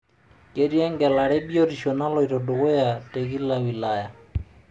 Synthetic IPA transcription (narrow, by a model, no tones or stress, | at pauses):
keɾiaŋɡɛlaɽɛbioɾiʃɔnalɔjɾɔdoɡojateɡilːawilaja